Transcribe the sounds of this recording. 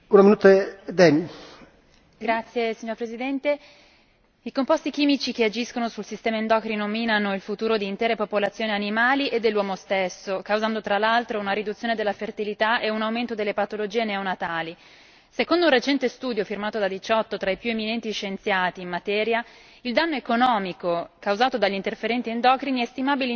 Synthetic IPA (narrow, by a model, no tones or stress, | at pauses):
unaminuːt̪ed̪ɛni | ɡɾat̪sːjesiɲːoɾpɾezid̪ɛnt̪e | ikompɔst̪ik̟iːmit͡ʃik̟ead͡ʒiskonosulsist̪ɛːmaind̪ɔkɾinominanoilfut̪uːɾod̪iːnt̪ɛːɾepopolat̪sːjoːnianimaːliʔed̪ːelːwɔːmost̪esːokawzand̪ot̪ɾalːalt̪ɾounaɾid̪ut̪sjoːned̪elːafert̪ilit̪aʔeunawment̪od̪elːepat̪olod͡ʒiːeneonat̪aːli | sekond̪ounret͡ʃɛnt̪est̪uːd̪jofirmaːt̪od̪ad̪it͡ʃɔt̪ːot̪ɾaipjueminɛnt̪iʃːent̪sjaːt̪iːmmat̪ɛːɾja | ild̪anːoekonɔːmikokawzaːt̪od̪aʎːint̪erfeɾɛnt̪iend̪ɔːkɾiniɛst̪imaːbile